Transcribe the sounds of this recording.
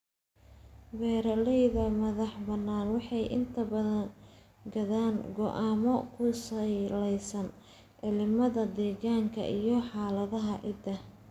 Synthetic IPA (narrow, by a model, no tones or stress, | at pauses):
wɛːɾɐlɛjðɐmɐðɑħbɐnːaːnwɑħɑjʔɪ̰nt̪ʰɐbɐðɐn | ɡɐðaːŋɡɔ̰ʔaːmɔkʰʊslɛjsɐn | ʕɪlɪmɐðɐd̪ɛːɣaːŋkʰɐ̰ʔijɞħɑːlɐðɐɦɐʔɪd̪ɐ